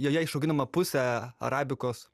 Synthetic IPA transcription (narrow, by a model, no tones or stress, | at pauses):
joːjɛɪʃoʊɡʲɪnɐmɐpʊsʲɛɐ̰ɾɑːbʲɪkoːs